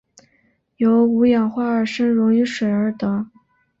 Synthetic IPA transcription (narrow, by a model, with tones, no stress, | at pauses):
jo˧˥ʊu˧˥jɑ˨˩ŋxwa˥ə˞˨˩ʂə˥ŋɻʊ˧˥ŋy˧˥ʂwe˨˩ɪə˞˧˥t̪ɤ˧˥˦